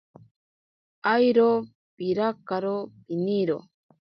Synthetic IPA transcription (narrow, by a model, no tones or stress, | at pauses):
ajɾo | piɾakaɾopiniɾo̰